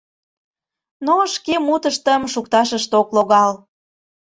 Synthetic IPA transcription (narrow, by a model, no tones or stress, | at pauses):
noʃkemut̪əʃt̪əmʃukt̪ɑʃəʃt̪okloɣɑl